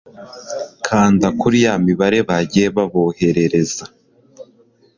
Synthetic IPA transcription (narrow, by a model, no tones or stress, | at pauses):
kʰaːndakuɾijamiβaɾe̞βaɟeβaβo̞he̞ɾe̞ɾe̞za